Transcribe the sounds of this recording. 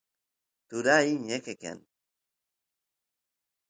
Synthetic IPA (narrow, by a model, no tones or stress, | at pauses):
t̪uɾaiɲekekḛn